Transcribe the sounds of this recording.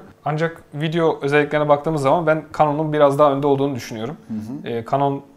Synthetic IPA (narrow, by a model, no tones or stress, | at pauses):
and͡ʒakvid̪ejo̞ʔøzɛlʲːiclʲeɾnɛbakt̪ʰɯːmɯzːamanbænkʰano̞nunbiɾazd̪aɦaø̞nd̪ɛolˠd̪uːnud̪yʃynyjo̞ɾumɛːkʰanon